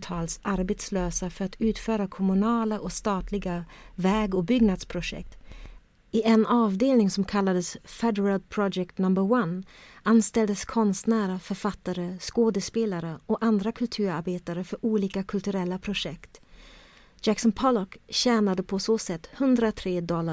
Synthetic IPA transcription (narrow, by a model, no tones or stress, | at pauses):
t̪ʰɑːlsʔaɾbeːt̪sløːsafœɾat̪ʉ̟ːt̪fœːɾakʰɔmʉnɑːlaʔɔst̪ɑːt̪ʰlɪɡavɛːɡɔbʏɡnad̪spʰɾʊʂɛ̰k̚t̪ | ɪʔɛnɑːvd̪eːlnɪŋsɔmkʰalːad̪əsfɛd̪ɛɾalpʰɾɔd͡ʒɛk̚t̪nɵmbəɾwananst̪ɛld̪əskʰɔnst̪næːɾafœɾfat̪ːaɾəskoːd̪əspeːlaɾəɔkand̪ɾakʰɵlt̪ʰʉ̟ːɾaɾbeːt̪aɾəfœɾʔuːliːkakʰɵlt̪ɵɾɛlːapʰɾʊʂɛkt̪ | d͡ʒ̥æksɔnpʰɔlɔkɕɛːnad̪əpʰɔsoːsɛt̪ːhɵnd̪ɾat̪ʰɾeːd̪ɔlːa